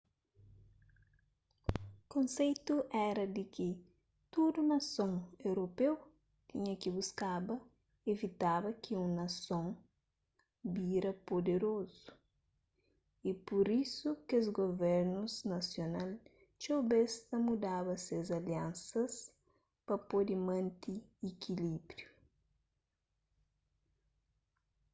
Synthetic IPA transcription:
kõnsejt̪uʔɛɾɐd̪ɪkɪ | t̪ud̪unɐsõŋewɾopew | t̪iɲɐkibuskabɐ | evit̪abɐkɪũŋnɐsõŋ | biɾɐpod̪eɾozu̥ | ipoɾisukezɡovɛɾnuznɐsjonal | t͡ʃowbest̪ɐmud̪aβɐsezɐljãnsɐs | pɐpod̪ɪmɐ̃nt̪iekʰilibɾju

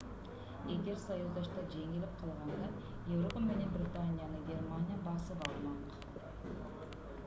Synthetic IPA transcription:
eɡʲe̞ɾsɑjuzd̪ɑʃt̪ɑd͡ʒe̞ŋɪlɪp̚qʰɑlˠʁɑnd̪ə | je̞vɾo̞pamɪne̞nbɾʲit̪anʲijanəɡʲe̞rmanʲijabɑsəpɑlˠmɑq

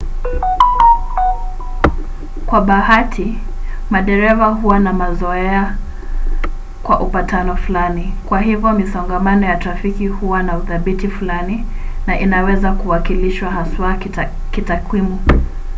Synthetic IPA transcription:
kwaɓahatʰi | maɗɛɾɛvaɦuwanamazɔɛa | kwaʔupatanɔfulanikwaɦivjɔmisɔŋɡamanɔjatɾafikihuwanauθaɓitifulani | naʔinawɛzakuwakiliʃwaɦaswa | kitakwimu

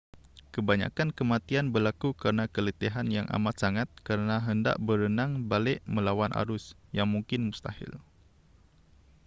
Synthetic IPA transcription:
kəbaɲa̰kankəmat̪ianbərlakukəɾənakələt̪iɦanjaŋʔa̰mat̪̚saŋat̪̚kəɾənaɦənda̰ʔbəɾənaŋbalɪʔməlawanʔa̰ɾʊsjaŋmuŋkɪnmust̪ahɪ̰l

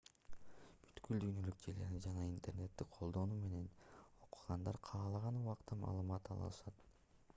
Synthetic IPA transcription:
by̥t̪kyld̪yjnø̞lyk̚d͡ʒele̞ɾnid͡ʒɑnɑint̪e̞rne̞t̪ːikqʰo̞lˠd̪o̞nuːme̞ne̞no̞qu̥ʁɑnd̪ɑɾqʰɑːlˠɑʁɑnuʁɑqt̪ɑmɑ̰ːlˠɯmɑt̪ɑ̰lˠɯ̰lˠɯʃɑt̪

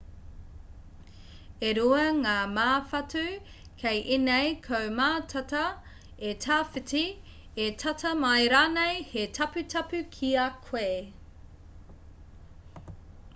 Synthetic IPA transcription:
eɾuɐŋaːmaːfɐtʉ | kʰejʔinejkʰowmaːtʰɐtɐ | etʰaːfiti | etʰɐtʰɐmɐjɾaːnejhetʰɐpʉtʰɐpʉkʰiɐkʰwe

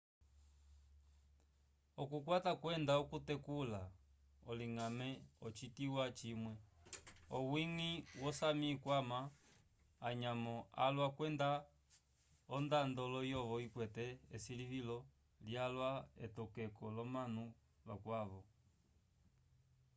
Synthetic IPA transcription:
ɔkukwatakwɛndaɔkutɛkula | ɔliŋamɛɔt͡ʃitiwat͡ʃimwɛ | ɔwiŋiwɔsamikwama | aɲamɔa̰lwakwɛnda | ɔndandɔlɔjɔvɔikwɛtɛɛsilivilɔ | ljalwaɛ̰tɔkɛkɔlɔmanu | lakwaβɔ

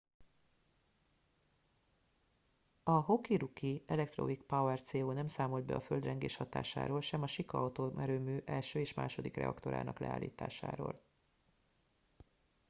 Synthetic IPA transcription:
ɒɦo̞kiɾukiɛlɛk̚t̪ro̰ikpawɛrt̪seːoːnɛmsaːmo̞ld̪bɛ̰ɒføld̪rɛŋɡeːʃhɒt̪a̰ːʃa̰ːɾoːlʃɛmɒʃikɒɒt̪oːmʔɛɾøːmyːʔɛlʃøːeːʃmaːʃo̞d̪ikrɛ̰ɒkt̪o̞ɾa̰ːnɒ̰klɛ̰aːlːḭːt̪aːʃa̰ːɾo̰ːl

